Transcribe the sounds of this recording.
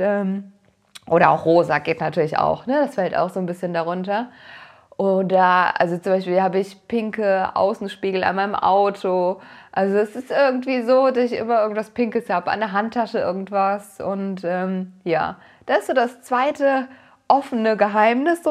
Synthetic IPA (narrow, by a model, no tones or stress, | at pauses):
ʔɛːm | ʔoːɾɐa̰ʊxʁoːzaɡeːtnatʰyːɐlɪça̰ʊxnəd̥asfɛlta̰ʊxz̥oːnbɪsçəndaʁ̞ʊntɐ | ʔoːdɐaʔa̰lzot͡sʊmbaɪʃpiːlhaːbəɪçpʰɪŋkəʔa̰ʊsn̩ʃpiːɡl̩a̰nmaɪnəmʔa̰ʊtʰoʔalzoɛsɪstʔɪɐɡŋ̩tv̥iːzoːdasɪçʔɪ̰mɐʔɪɐɡŋ̩tv̥aspɪŋkəshaːbəʔa̰ndɛɐɦantʰːaʃəʔɪɐɡŋ̩tv̥asʔʊ̰ntʔɛːmja̰ː | d̥aːɪstz̥oːdast͡sv̥aɪtə | ʔɔfənəɡəɦaɪmnɪsz̥o